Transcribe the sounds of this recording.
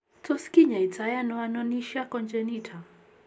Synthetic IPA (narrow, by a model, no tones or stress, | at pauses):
tɔskiɲait͡sajanɔanɔniʃakɔnd͡ʒɛnitʰa